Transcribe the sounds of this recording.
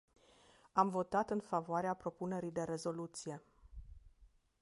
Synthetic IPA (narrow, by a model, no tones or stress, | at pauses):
amvo̞t̪at̪ɨnfavoaɾeapɾo̞pune̞ɾijd̪e̞ɾe̞zo̞lut̪sije̞